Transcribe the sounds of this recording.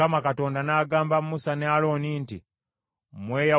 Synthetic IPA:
amakato̞ːndanaːɡaːmbammusanealo̞ːniːntḭ | mweːja

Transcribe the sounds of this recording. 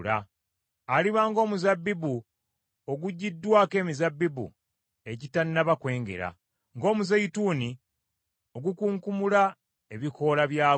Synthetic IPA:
laː | liβaːŋɡo̞ːmuzabːibu | oɡuɟːidːwaːke̞ːmizabːibṵ | e̞citanːaβakwe̞ːŋɡe̞̰ɾa̰ | ŋɡo̞ːmuzajituːni | o̞ɡukuːŋkumula | e̞βikʰo̞ːlaβjaː

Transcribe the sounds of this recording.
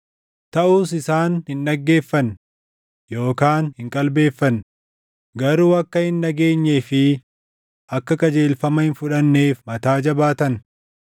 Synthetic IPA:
t̪ɐʔuːs̬ɪsaːnhɪnᶑɐɡːe̞ːfːɐn | jo̞ːkaːnhɪŋkʼɐlbe̞ːfːɐn | ɡɐɾuːɐkːɐhɪnːɐɡe̞ːɲːeːfɪ | ʔɐkːɐkʼɐd͡ʒeːlfɐmɐhɪnfʊᶑɐnːe̞ːfmɐt̪aːd͡ʒɐbaːt̪ɐn

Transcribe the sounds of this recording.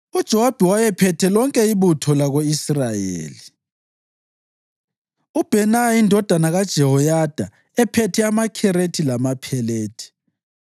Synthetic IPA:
ud̥ʒ̥ʱɛwab̥ʱɛwajɛpʰɛtʰɛlɔŋkʼɛiβutʰɔlaɣoisrajḛːli | ub̥ʱɛnaindʱɔd̥ʱanaɣad̥ʒ̥ʱɛɦɔjad̥ʱa | ɛpʰɛtʰɛamakʰɛɾetʰilamapʰɛleːtʰi̥

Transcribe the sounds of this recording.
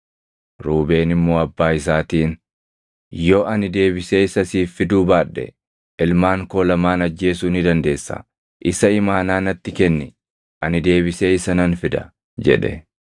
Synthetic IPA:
ɾuːbe̞ːnɪmːoːɐbːaːɪs̬aːt̪iːn | jo̞ːʔɐnɪd̪e̞ːbɪse̞ːɪsɐsiːfːɪd̪uːbaːᶑːɛ̰ | ʔɪlmaːŋko̞ːlɐmaːnɐd͡ʒːe̞ːsuːnɪd̪ɐnd̪e̞ːsːɐ̰ | ʔɪsɐɪmaːnaːnɐt̪ːɪkɛnːɪ | ʔɐnɪd̪e̞ːbɪse̞ːɪsɐnɐnfɪd̪ɐ̰ | d͡ʒɛ̰ᶑɛ̰

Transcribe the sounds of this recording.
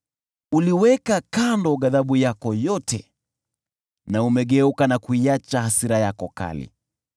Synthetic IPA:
uliwɛkakandɔɠaðaɓujakɔjɔtɛ̰ | naumɛɠɛukanakuiat͡ʃahasiɾajakɔka̰lḭ

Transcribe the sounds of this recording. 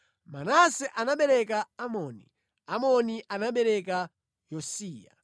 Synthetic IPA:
manasɛʔanaɓɛɾɛk̬aːmɔːni | amɔniʔanaɓɛɾɛk̬a | jɔsiːja̰

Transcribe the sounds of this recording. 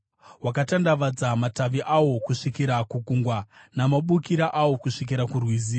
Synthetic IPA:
wakatandaʋad͡zamataʋiʔawo̞kuʂikiɾakukuŋɡwanamaɓukiɾaʔawo̞kuʂik̬iɾakurwiziːra

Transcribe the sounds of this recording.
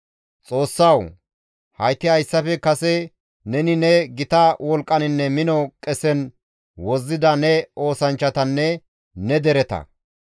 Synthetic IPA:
t͡sʼo̞ːsːɐw | hɐjt̪ːɪɐjsːɐfɛkɐsɛ | nɛnɪnɛɡɪt̪ɐwɔlkʼːɐnɪnːɛmɪnɔkʼɛsɛn | wɔzːɪd̪ɐnɛo̞ːsɐnt͡ʃːɐt̪ɐnːɛ | nɛd̪ɛɾɛt̪ɐ̰

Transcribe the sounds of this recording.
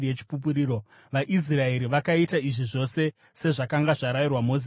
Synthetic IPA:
jet͡ʃi̥pup̬uɾiːɾo̞ | ʋaʔis̬rae̞ɾiʋakaitaiʐiʐo̞se̞ | se̞ʐakaŋɡaʐaɾajirwamo̞zi

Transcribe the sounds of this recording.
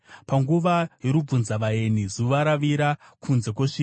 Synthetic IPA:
paŋɡuʋajeɾub͡vunzaʋae̞nizuʋaɾaʋiɾakʰunze̞k̬woʂiː

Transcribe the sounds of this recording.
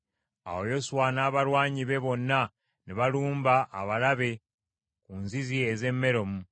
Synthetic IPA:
a̰wo̞jo̞suwanaːβalwaːɲiβe̞βo̞nːa | neβaluːmbaʔːβalaβe̞ | kunzizieze̞mːe̞ɾo̞mu

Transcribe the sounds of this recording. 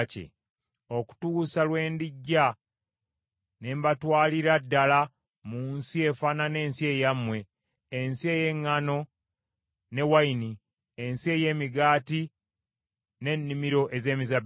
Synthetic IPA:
cḛ | o̞ku̥tusalwe̞ːndiɟːa | ne̞mbatwaːliɾadːala | muːnsie̞fanane̞ːnsie̞jamwe̞ː | nsie̞je̞ŋːano̞ | ne̞waini | ensie̞ːje̞ːmiɡaːti | ne̞nːimiɾo̞ʔeze̞ːmizab

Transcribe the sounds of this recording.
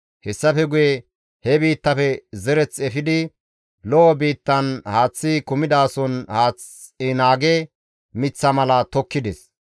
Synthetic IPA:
hɛsːɐfɛɡʊjɛ | hɛbiːt̪ːɐfɛzɛɾɛt͡sɛfɪd̪ɪ | lɔʔɔbiːt̪ːɐnhaːt͡sːɪkʊmɪd̪aːsɔnhaːt͡s | ɪnaːɡɛ | mɪt͡sːɐmɐlɐt̪ɔkːɪd̪ɛs

